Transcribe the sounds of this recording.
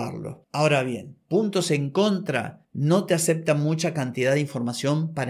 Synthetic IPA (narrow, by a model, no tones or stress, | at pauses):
a̰ɾlo̰ao̞ɾaβje̞npunt̪o̞se̞ŋko̞nt̪ɾa̰no̞t̪ease̞p̚t̪amut͡ʃakant̪iðaðeiɱfo̞ɾmasjo̞mpaɾ